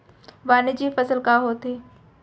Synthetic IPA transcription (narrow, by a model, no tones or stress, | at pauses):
ʋaːned͡ʑiːfɐsəlkaɦot̪eː